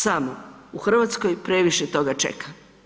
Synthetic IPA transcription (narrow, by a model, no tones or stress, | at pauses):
samouxr̩ʋat̪sko̞jpɾe̞ʋiʃet̪o̞ɡat͡ʃḛkʰa